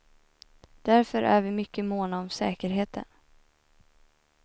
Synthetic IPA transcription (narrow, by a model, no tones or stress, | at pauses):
d̪̥æɾfœɾʔæ̰ɾvɪmʏkːəmoːnaɔmsɛːkəɾɦeːt̪ʰə̰n